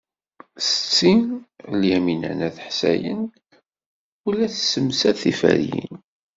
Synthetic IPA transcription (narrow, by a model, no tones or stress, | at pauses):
sə̥t͡sːinljæminæ̰næθħsæ̰jən | ulæθsəmsæθifə̰ɾjḭn